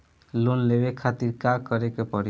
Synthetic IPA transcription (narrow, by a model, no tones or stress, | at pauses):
lonlebekʰat̪iɾkakəɾekepəɾ